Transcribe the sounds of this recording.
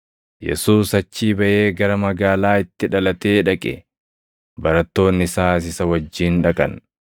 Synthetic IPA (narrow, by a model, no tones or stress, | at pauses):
jɛ̰suːsɐt͡ʃːiːbɐʔeːɡɐɾɐmɐɡaːlaːɪt̪ːɪᶑɐlɐt̪e̞ːᶑɐkʼɛ̰ | bɐɾɐt̪ːo̞ːnːɪsaːs̬ɪsɐwɐd͡ʒːiːnᶑɐkʼɐ̰n